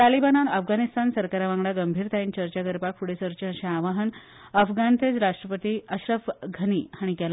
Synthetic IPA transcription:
t̪alibananəfɡanist̪ansəɾkaɾaʋãŋɡɽaɡəmbʱiːɾt̪ʰaint͡ɕəɾt͡ɕaɡəɾpakʰuɽesəɾt͡ɕẽəɕẽaʋaɦən | əfɡant̪ed͡zɾaʂʈɾəpət̪iəɕɾəfɡʱəniːhaɽ̃ikɛla

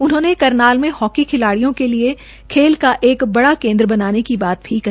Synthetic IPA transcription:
ʊnɦõːnekɐɾnaːlmẽhɔːkikʰɪlaːɽijõkelie | kʰeːlkaʔeːkbɐɽakẽːnd̪ɾəbɐnaːnekibaːt̪̚bʰiːkː

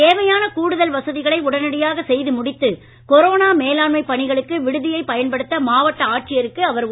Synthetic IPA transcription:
eːʋɐjaːnɐkuːɽɯðɐlʋɐsɐðɪɣɐɭɐɪʊɽɐnɐɽɪjaːɣɐsɛjðɯmʊɽɪt̪ːɯ | kɔɾoːnaːmeːlaːɳmɐɪpːɐɳɪɣɐɭɯkːɯʋɪɽɯðɪjɐɪpɐjɐnpɐɽɯt̪ːɐmaːʋɐʈːɐaːʈ̚t͡ʃɪjɐɾɯkːɯɐʋɐɾ

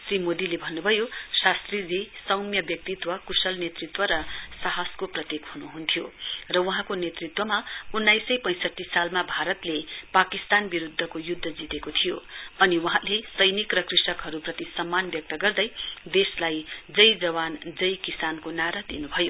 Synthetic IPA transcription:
srimod̪ilebʱʌnːubʱʌjosast̪rid͡zesʌwmjʌbjʌk̚t̪it̪wʌkusʌlnet̪rit̪wʌɾʌsaɦaskoprʌt̪ekhunuɦunt̪ʰijorʌwʌɦãkonet̪rit̪wʌmaunːajsʌjpʌ̃j̃sʌʈːisalmabʱaɾʌt̪lepakist̪anbiɾud̪ʱːʌkojud̪ʱːʌd͡zit̪ekot̪ʰijoʌniwʌɦãlesʌjnikrʌkrisʌkɦʌɾuprʌt̪isʌmːanbjʌk̚t̪ʌɡʌrd̪ʌjd̪eslajd͡zʌjd͡zʌwand͡zʌjkisankonaɾad̪inubʱʌjo

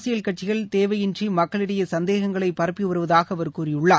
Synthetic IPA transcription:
sɪjɐlkɐʈ̚t͡ʃɪɣɐɭt̪eːʋɐjɪndrimɐkːɐɭɪɽɐjɐsɐnd̪eːɣɐŋɡɐɭɐɪpːɐɾɐpːiʋʊɾɯʋɐðaːɣɐːʋɐɾkuːrɪjɯɭːaː

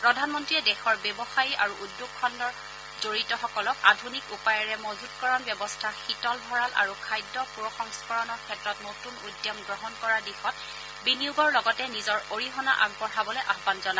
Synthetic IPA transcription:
pɹɔdʱanmɔntɹiɛdɛxɔɹbebɔxajiʔaɹuʔudjuɡ̚kʰɔndɔɹ | zoɹitɔxɔkɔlɔkadʱunikupajɔɹɛmɔzutkɔɹɔnbjɛbɔstʰaxitɔlbʱɔɹala̰ɹukʰajdːɔpuɹɔxɔŋspɔɹɔnɔɹkʰɛtɹɔtnotunudjɔmɡɹɔɦɔnkɔɹaɹdixɔt̚ | biniuɡɔɹlɔɡɔtɛnizɔɹoɹiɦɔna̰ʔa̰ɡpɔɹabɔlɛʔaɦbanzɔna

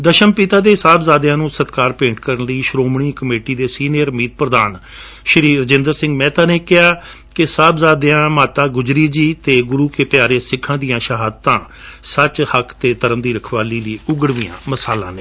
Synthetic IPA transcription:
d̪əʃəmpit̪aːd̪eːɦɪsaːbzaːd̪jãːnũːsət̪kaːɾpẽːɳʈkəɾənləiːʃɾoːmɳiːkəmeːʈiːd̪eːsiːniəɾəmiːt̪̚pɾəd̪aːn | ʃəɾiːɾəd͡ʒɪ̃nd̪əɾsɪ̃ŋɡmɛ̃ːt̪ãːnẽːkɪaː | kɪsaːbzaːd̪eãːmaːt̪aːɡʊd͡ʒɾiːd͡ʒiːt̪eːɡʊɾuːkeːpjaːɾeːsɪkʰãːd̪ijãːʃəɦaːd̪t̪ãː | sət͡ʃhəkʰt̪eːt̪əɾəmd̪iːɾəkʰʋaːliːləiːʊɡəɽʋiːjã̰ːməsaːlã̰ːneː

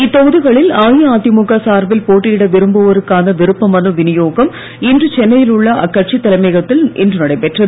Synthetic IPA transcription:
ɪt̪ːɔɣɯðɯɣɐɭɪlaːjɐaːt̪imʊkːɐsaːɾbɪlpoːʈːɪjɪɽɐʋɪɾɯmbɐʋɐɾɯkːaːnɐʋɪɾɯpːɐmɐnɯʋɪnɪjoːɣɐm | ɪndrɯt͡ʃɛnːɐjɪlʊɭːɐɐkːɐrt͡ʃit̪ːɐlɐmɛɣɐt̪ːɪlʔɪ̰ndrɯnɐɽɐɪpɛʈrɐð

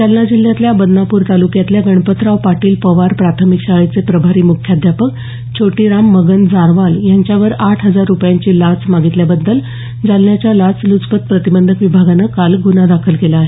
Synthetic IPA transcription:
d͡zalnad͡ʑil̤jat̪ljabəd̪napuːɾt̪alukjat̪ljaɡəɳpət̪ɾaʋpaʈiːlpəʋaɾpɾat̪ʰəmikɕaɭit͡sepɾəbʱaɾiːmukʰjad̪ʱjapək̚ | t͡ɕʰoʈiːɾamːəɡənd͡zaɾʋaljaɲt͡ɕjaʋəɾaʈʰɦəd͡zaɾːupjaɲt͡ɕiːlat͡smaɡit̪ljabəd̪ːəl | d͡zalnjat͡ɕjalat͡slut͡spət̪̚pɾət̪ibənd̪ʱəkʋibʱaɡanəkalɡunad̪akʰəlkelaɦe

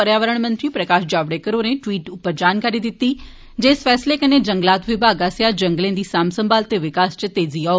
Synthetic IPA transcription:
əɾjaːʋəɾəɳ̃mə̃nt̪ɾiːpɾəkaːʃd͡ʒaːʋɽeːkəɾoːnẽːʈʋiːʈʊpːəɾd͡ʒaːnkaːɾiːd̪ɪt̪ːiː | d͡ʒeːsfʰɛːsleːkəneːd͡ʒəŋɡlaːt̪ʋɪbʱaːɡaːsɪjaːd͡ʒəŋɡlẽːd̪iːsaːmsəmbʱaːlt̪eːʋɪkaːst͡ʃt̪eːziːaːo

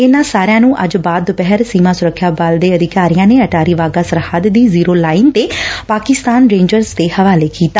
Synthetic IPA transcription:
ɪnãːsaːɾjãːnũːʔəd͡ʒbaːd̪pɛɦəɾsiːmãːsʊɾəkʰːjaːbald̪eːəd̪ɪkaːɾijãːneːəʈaːɾiːʋaːɡaːsəɾhaːd̪d̪iːziːɾoːlaːɪnt̪eːpaːkɪst̪aːnɾẽːɲd͡ʒəɾzd̪eːhəʋaːleːkiːt̪aː

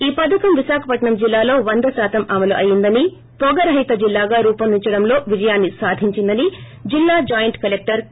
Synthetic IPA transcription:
iːpɐd̪ɐkɐmʋiʃaːkʰɐpɐʈɳɐmd͡ʒilːaːlo̞ːʋɐnd̪ɐsaːt̪ɐmɐmɐluʔɐjind̪ɐni | pɔɡɐɾɦɐjt̪ɐd͡ʒilːaːɡaːɾuːpɐnd̪iɲt͡ʃɐɽɐmlo̞ːʋid͡ʒɐjaːnːisaːd̪ʱiɲt͡ʃind̪ɐni | d͡ʒilːaːd͡ʒaːjɐɳʈkɐlek̚ʈɐɾ

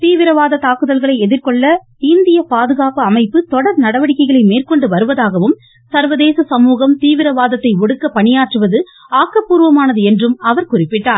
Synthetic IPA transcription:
t̪iːʋɪɾɐʋaːðɐt̪aːkɯðɐlɣɐɭɐɪɛðɪɾkɔɭːɐ | ɪnd̪ɪjɐpaːðɯɣaːpɯɐmɐɪpːɯt̪ɔɽɐɾnɐɽɐʋɐɽɪkːɐɪɣɐɭɐɪmeːrkɔɳɖɯʋɐɾɯʋɐðaːɣɐʋɯm | sɐɾʋɐðeːsɐsɐmuːɣɐmt̪iːʋɪɾɐʋaːðɐt̪ːɐɪɔɽɯkːɐpɐɳɪjaːʈrɯʋɐðɯ | aːkːɐpːuːɾʋɐmaːnɐðɯɛndrɯmɐʋɐɾkʊrɪpːɪʈːaːɾ

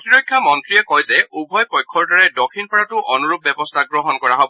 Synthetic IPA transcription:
tiɹɔjkʰːjamɔntɹijɛkɔjzɛubʱɔjpɔjkʰːɔɹdɔɹɛdɔkʰinpɔɹatʊʔɔnuɹub̚bɛbɔstʰaɡɹɔɦɔnkɔɹaɦɔbɔ

